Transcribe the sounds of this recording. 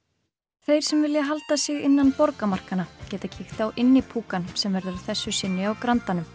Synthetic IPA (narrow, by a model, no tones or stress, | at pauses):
θejɾ̥sɛmvɪljaɦalt̪asɪɣɪnːanpɔɾkamar̥kanacɛːt̪acʰɪxt̪awʔɪnːɪpʰuːkansɛmvɛɾðʏɾɪ̥θɛsːʏsɪnːɪawkɾant̪anʏm